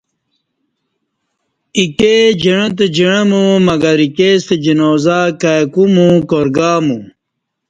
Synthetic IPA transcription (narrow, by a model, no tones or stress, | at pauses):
iked͡ʑiɻɐt̪̬ed͡ʑiɳɐmumɐɡɐɾikeːst̪ed͡ʑinoːzakajkumũkoɾɡaːmu